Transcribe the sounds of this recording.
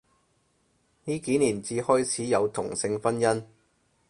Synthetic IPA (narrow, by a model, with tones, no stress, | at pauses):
niː˥kiː˨˥niː˨˩nt͡siː˨˧hɔː˥jt͡sʰiː˨˥jɐ˨˧wt̪ʰʊ˨˩ŋsɪ˧ŋfɐ˥njɐ˥n